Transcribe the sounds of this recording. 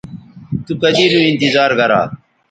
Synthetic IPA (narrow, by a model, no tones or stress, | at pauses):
t̪ukəd͡ʒiːɾũːɪnt̪ɪzaːɾɡəɾa̰ː